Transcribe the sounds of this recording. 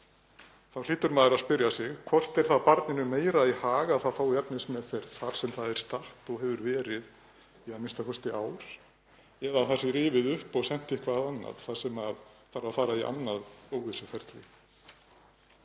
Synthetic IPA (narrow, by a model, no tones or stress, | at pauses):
θawliːt̪ʏɾmaːðɪɾaðspɪɾjasɪɣkʰvɔr̥t̪ɛɾ̥θaðpaɾt̪nɪnʏmeːjɾaihaːɣaðθaðfaːwɛpnɪsmɛðθɛɾθaɾ̥sɛmθaðɛɾ̥st̪aht̪ɔɣɦɛvʏɾvɛːɾɪð | iaðmɪnst̪akʰʏst̪ɪʔaːwɾ̥ | ɛðaθasɪɾiːvɪðʏhpɔɣsɛn̥t̪ɪhkvaːðanːa̰ðθḁsɛmaðfaːɾaðfaːɾaiʔa̰nːaðoːwɣɪsʏfɛɾ̥t̪lɪ